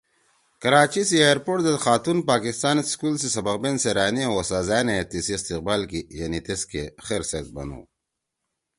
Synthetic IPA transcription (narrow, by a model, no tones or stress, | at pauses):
kɐɾaːt͡ɕisiajɾpoːʈd̪ɐxaːt̪unpaːkist̪aːnskulsisɐbɐq̚benseɾaːniwosaːzaːnet̪isiist̪iq̚baːlkijɐnit̪eskexeɾset̪̚bɐ̰nṵ